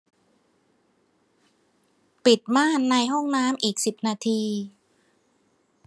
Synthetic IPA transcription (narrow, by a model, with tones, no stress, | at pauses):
pi˨˩t̪̚maː˥˩nːa˧jɦɔ˥˩ŋnaː˦˥mʔiː˨˩k̚si˨˩p̚naː˧t̪ʰiː˧